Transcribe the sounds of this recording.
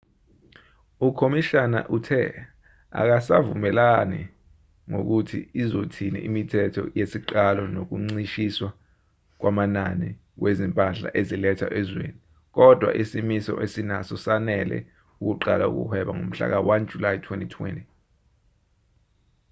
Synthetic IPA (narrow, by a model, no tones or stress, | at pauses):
ukʰomiʃana̰ʔutʰɛ̰ | a̰k̬asavṵmɛlani | ŋok̬utʰḭizotʰinḭʔimitʰɛtʰɔ̰jesiǃalɔnok̬uŋ͡ǀiʃiswa | k̬wamanani | wezimpʼaɬa̰ʔezilɛtʰa̰ʔɛzwḛni | k̬ɔd̥ʱwa̰ʔisimisɔ̰ʔesinasɔsanɛlɛ̰ | uk̬uǃalaṵk̬ṵhʰwɛɓaŋom̩ɬa̰k̬awand͡ʒʱulajtʰwentʼitʰwḛntʼi